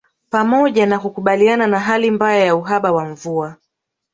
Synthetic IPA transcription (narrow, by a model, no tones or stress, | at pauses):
pamɔʄanakukuɓaliananaɦalimbajajauɦaɓawaɱvua